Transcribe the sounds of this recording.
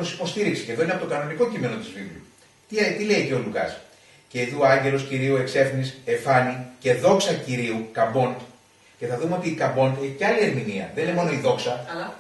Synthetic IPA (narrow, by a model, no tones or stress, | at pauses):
osi̥po̞st̪iɾiksi̥ceðo̞ineɐpot̪okɐno̞niko̞cime̞no̞t̪izvivlu | t̪it̪ile̞iceo̞lukɐ̰s | ce̞iðuoɐɲɟe̞lo̞sciɾiue̞kse̞fnise̞fɐnice̞ðo̞ksɐciɾiukɐbo̞nd̪ | ce̞θɐðumeo̞t̪iːkɐbo̞nd̪eçiceɐlie̞ɾminiɐ̰ðenilemo̞no̞iðo̞ksɐ